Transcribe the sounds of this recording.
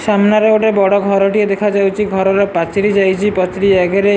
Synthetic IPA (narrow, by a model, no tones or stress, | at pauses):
samnaɾeoʈebɔɽɔɡʱɔɾɔʈied̪ekʰad͡ʒawt͡ʃʰiɡʱɔɾɔɾepat͡ʃiɾid͡ʒajt͡ʃʰipɔt͡ʃɾiɛɡʱeɾe